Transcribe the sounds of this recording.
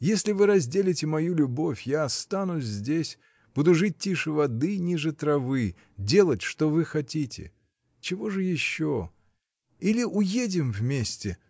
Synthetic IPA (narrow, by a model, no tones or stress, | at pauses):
jesʲlʲɪvɨɾɐzʲdʲelʲɪtʲɪmɐjulʲʊbo̞fʲjaɐst̪anʊsʲzʲdʲesʲ | b̥ud̪ʊʐɨt̚ʲtʲːiʂɨvɐd̪ɨnʲiʐɨt̪ɾɐvɨ | dʲe̞lˠətʲʂt̪o̞vɨxɐtʲitʲɪ̰ | t͡ɕɪvo̞ʐɨjɪɕːo | ilʲɪʔʊjedʲɪmvmʲesʲtʲɪ